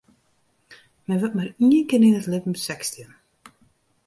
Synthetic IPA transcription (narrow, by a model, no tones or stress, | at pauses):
mɛʋɔt̚mariənkɪnɪnətlɪvm̩sɛkstiən